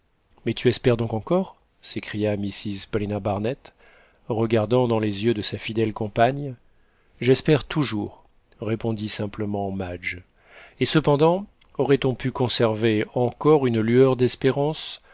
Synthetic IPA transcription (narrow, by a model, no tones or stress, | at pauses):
mɛt̪yɛspɛʁd̪ɔ̃kɑ̃kɔʁ | sekχijamisizpɔlenabaʁnɛt̪ | ʁəɡaʁd̪ɑ̃d̪ɑ̃lezjød̪əsafid̪ɛlkɔ̃paɲ | ʒɛspɛʁt̪ʰuʒuʁː | epɔ̃d̪isɛ̃pləmɑ̃mad͡ʒ | esəpɑ̃d̪ɑ̃ɔʁɛt̪ɔ̃pʰykɔ̃sɛʁveɑ̃kɔʁynlyœʁd̪ɛspeʁɑ̃s